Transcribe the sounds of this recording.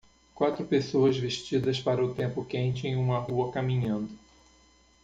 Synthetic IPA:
kwat̪ɾʊpesoɐzveʃt͡ʃid̪ɐspaɾɐʊt̪ẽmpʊkẽnt͡ʃɪẽj̃ũmɐɦuɐkamĩɲɐ̃nd̪ʊ

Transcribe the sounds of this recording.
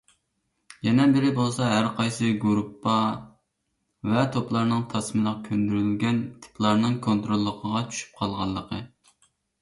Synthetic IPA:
jɛnɛbɪɾɪbolˠsɑɦæɾqʰɑjsɨɡuɾupːɑ | vɛt̪ʰoplˠɑɾnɨŋt̪ʰɑsmɨlˠəqkʲʰønd̪yɾylɡʲɛnt̪ʰɪ̥pʰlˠɑɾnɨŋkʰont̪ɾolˠːəqʰəʁɑt͡ʃʰy̥ʃy̥p̚qʰɑlˠʁɑlˠːəqʰə

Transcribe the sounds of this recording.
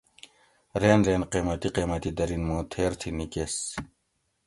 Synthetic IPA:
ɾeːnɾeːnqeːmɐt̪iqeːmat̪id̪ɐɾinmõːt̪ʰeːɾt̪ʰinikeːs

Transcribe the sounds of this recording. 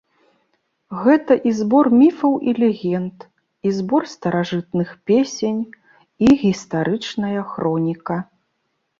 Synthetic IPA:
ɣɛt̪ɐʔizbɔrmʲifɐwʔilʲɛɣʲɛnt̪ | izbɔrst̪ɐɾaʐɨt̪nɨxpʲesʲenʲ | iɣʲist̪aɾʔɨt͡ʂnɐjɐxɾɔnʲikɐ

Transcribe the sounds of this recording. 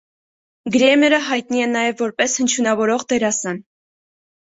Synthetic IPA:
ɡɾɛmɛɾəɦɑjt̪̚niɛnːɑjɛvːɔɾpɛshənt͡ʃʰunɑvɔɾɔʁt̪ɛɾɑsɑn

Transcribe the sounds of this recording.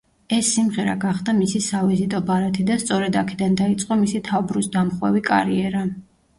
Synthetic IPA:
ɛsːimʁɛɾa̰ɡaχd̪amisisavizit̪ʼɔbaɾat̪ʰid̪ast̪sʼɔɾɛd̪akʰɛd̪and̪ait̪sʼqʼɔmisit̪ʰavbɾusd̪amχwɛ̰vikʼa̰ɾiɛɾa

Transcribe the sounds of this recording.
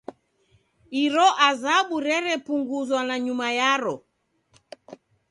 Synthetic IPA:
iɾɔʔazaɓuɾɛɾɛpuŋɡuzwanaɲumajaɾɔ

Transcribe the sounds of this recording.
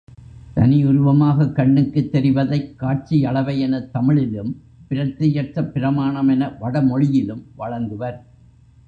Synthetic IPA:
t̪ɐnɪʊɾʊʋɐmaːɣɐkːɐɳːɯkːɯt̪ːɛɾɪʋɐðɐɪkːaːʈ̚t͡ʃiɐɭɐʋɐɪɛnɐt̪ːɐmɪɭɪlɯm | pɪɾɐt̪ːɪjɐʈrɐpːɪɾɐmaːɳɐmɛnɐʋɐɽɐmɔɻɪjɪlɯmʋɐɻɐŋɡ̪ɯʋɐɾ

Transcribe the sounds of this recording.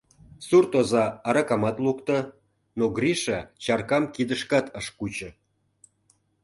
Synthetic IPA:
surt̪ozɑɑɾɑkɑmɑt̪lukt̪ə̆ | noɡriʃɑt͡ɕɑrkɑmkid̪əʃkɑt̪əʃkut͡ɕə̆

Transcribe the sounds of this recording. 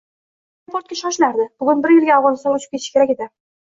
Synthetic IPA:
poɾt̪̚kʲæʃɒʃlaɾd̪ɪb̥ʊɡʲʊnbɪɾjɪlɡʲaːwʁɑnɨst̪ɑnɵt͡ʃɪ̥pkʲeʃɪ̥kʲeɾækʲed̪ɪ

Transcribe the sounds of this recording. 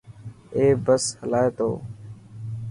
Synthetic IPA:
eːbəshəlaːeːt̪o̰ː

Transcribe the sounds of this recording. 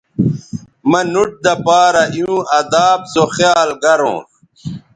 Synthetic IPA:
mɐnuʈ̚d̪ɐpaːɾɐʔjũːʔɐd̪aːbsoxjaːlɡɐɾõ̰ː

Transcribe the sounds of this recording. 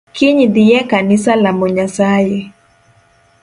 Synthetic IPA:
kiɲidiɛkanisalamɔɲasajɛ

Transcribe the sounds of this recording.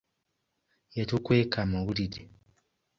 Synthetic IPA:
jetukweːkamawulide

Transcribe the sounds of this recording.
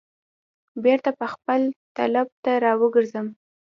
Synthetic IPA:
beɾt̪apəxpəlt̪alɑb̚t̪aɾɑwəɡəɾzəm

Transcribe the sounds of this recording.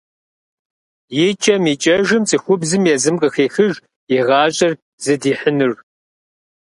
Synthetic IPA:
jet͡ʃʼɐmiːt͡ʃʼɐʒɨmt͡sʼixʷʊbzɨmjɛzɨmqʼəxeːxɨʒ | iʁɑːɕʼɐr | zɨdiːħənɨr

